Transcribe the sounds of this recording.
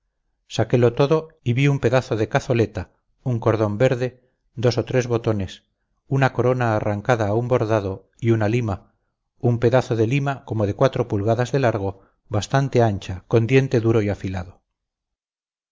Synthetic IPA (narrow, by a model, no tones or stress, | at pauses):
sake̞lo̞t̪o̞ðo̞iβiumpe̞ðaθoðe̞kaθo̞le̞t̪a | uŋko̞ɾð̞o̞mbe̞ɾðe̞ | d̪o̞so̞t̪ɾe̞zβo̞t̪o̞ne̞s | unako̞ɾo̞naːraŋkaðaːumbo̞ɾðaðo̞ | iunalima | umpe̞ðaθo̞ðe̞limako̞mo̞ðe̞kwat̪ɾo̞pulɣaðazðe̞laɾɣ̞o̞ | βast̪ant̪e̞ant͡ʃako̞nd̪je̞nt̪e̞ðuɾoiafilaðo